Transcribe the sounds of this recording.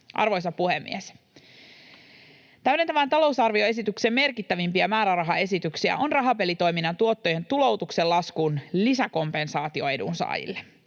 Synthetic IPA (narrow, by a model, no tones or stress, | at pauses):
ʔɑ̰rʋo̞js̬ɑpuhemːḭes | t̪æɥɾent̪æʋænt̪ɑlo̞wsɑrʋio̞e̞s̬it̪ykseme̞rkit̪ːæʋimpiæmæːɾærɑɦɑe̞sit̪yksiæ̰ʔo̞nrɑɦɑpe̞lit̪o̞jminːɑnt̪uo̞t̪ːoje̞nt̪ulo̞wt̪ukse̞lːɑskunlisæko̞mpe̞nsɑːt̪io̞e̞dṵnsɑ̰ːjḭlːe